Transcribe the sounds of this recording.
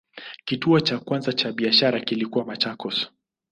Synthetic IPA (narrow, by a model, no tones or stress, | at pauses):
kituɔt͡ʃakwanzat͡ʃaɓiaʃaɾakilikuwamat͡ʃakɔsɔ̥